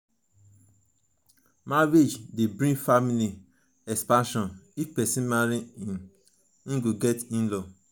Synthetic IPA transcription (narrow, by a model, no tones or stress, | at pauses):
maɾed͡ʒdebɹĩfamili | ɛkspãʃɔ̃nifpɛsĩmaɾiĩn | ĩɡoɡɛtĩnlɔ